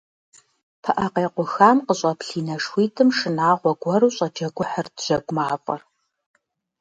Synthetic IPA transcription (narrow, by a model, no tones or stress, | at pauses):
pʰɐʔɐqeːqʷʊxaːmqəɕʼɐpɬiːnɐʂwiːtʰɨmʂɨnaːʁʷɔɡʷɔɾuːɕʼɐd͡ʒɐɡʷɔħərdʒ̥ɐɡʷʼʊmaːfʼɐ̰r